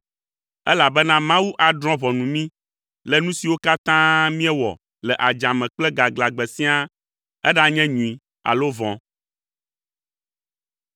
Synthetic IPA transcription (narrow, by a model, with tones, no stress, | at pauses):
ɛ̰˦la˨bɛ˦nã˦mã˦wu˦ʔa˨dɾɔ̃˦βɔ˨nũ˨mĩ˦ | lɛ˨nũ˦si˨wo˦ka˦t̪ã˦mĩ˦ɛ˦wɔ̰˨ | lɛ˨ʔa˨d͡ʒã˨mɛ̃˨k͡plɛ˦ɡa˨ɡla˨ɡ͡bɛ˨sĩ˦a˦ | ɛ˦ɖa˦ɲɛ̃˦ɲũ˨i˨ | a̰˨lo˦vɔ̃˨